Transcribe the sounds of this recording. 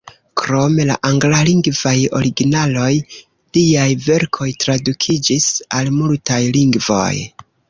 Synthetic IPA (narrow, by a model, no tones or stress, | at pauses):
kɾo̞me̞la̰ʔaŋɡlaliŋɡvajo̞̰ɾiɡinalo̞j | liajve̞ɾkʰo̞jtɾadukʰid͡ʒisalmultajliŋɡvo̞̰j